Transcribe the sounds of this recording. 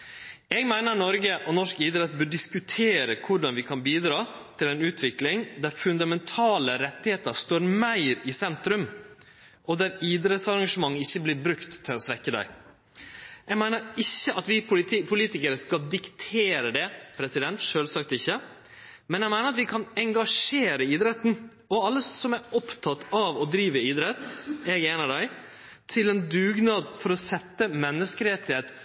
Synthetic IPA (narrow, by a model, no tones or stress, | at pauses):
ɛɡmæɪnəɾnɔɾɡəʔɔnɔʂkiːd̪ɾɛt̪̚bøːɖɪskʉt̪ʰeːɾəkʰʊɖɑnʋɪkʰɑnbiːd̪ɾɑːt̪ʰɪlɛnʉːt̪ʰʋɪklɪŋd̪æɾfʉnd̪ɑmɛnt̪ʰɑːləɾɛt̪ːɪheːt̪əɾst̪oːɾmæɪɾɪsɛnt̪ɾʉm | ʔɔd̪æɾiːd̪ɾɛt̪sɑɾɑŋʂəmɑŋːɪçːəblɪːɾbɾʉkt̪ʰːɪlɔsʋɛkːəd̪æ̰ɪ | ʔɛɡmæɪnəɾɪçːəʔɑt̪ʋɪpʰʊliːt̪ɪkəɾəskɑld̪ɪkt̪ʰeːɾəd̪ɛpʰɾɛsɪd̪ɛnt̪ʂøːlsɑk̚t̪ɪçːə | mɛnjɛɪmæɪnəɾɑt̪ʋɪkʰɑnɛŋɡɑʂeːɾəiːd̪ɾɛt̪n̩ | ɔɑlːəsɔmæɾɔpt̪ʰɑt̪ɑʋɔd̪ɾiːʋəiːd̪ɾɛt̪ɛɡeːnəd̪æɪ | t̪ʰɪlɛnd̪ʉːɡnɑːd̪fɔɾɔsɛt̪ːəmɛnːəskəɾɛːt̪ɪhet̪